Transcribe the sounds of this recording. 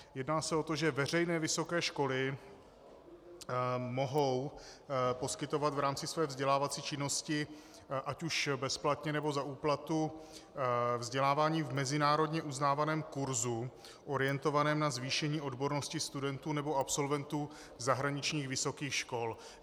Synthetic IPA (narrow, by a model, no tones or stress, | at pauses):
jɛdnaːsɛo̞t̪oʒɛvɛr̝ɛjnɛːvɪso̞kɛːʃko̞lɪ | mo̞ɦo̞w | po̞skɪt̪o̞vat̪vɾaːmt͡sɪsvɛːvzɟɛlaːvat͡siːt͡ʃɪno̞scɪ | ʔacuʃbɛsplat̪ɲɛnɛbo̞zaʔuːplat̪u | vzɟɛlaːvaːɲiːvmɛzɪnaːɾo̞dɲɛʔuznaːvanɛːmkuɾzu | ʔo̞ɾɪjɛnt̪o̞vanɛːmnazviːʃɛɲiːʔo̞dbo̞ɾno̞scɪst̪udɛnt̪uːnɛbo̞apso̞lvɛnt̪uː | zaɦɾaɲɪt͡ʃɲiːxvɪso̞kiːxʃko̞l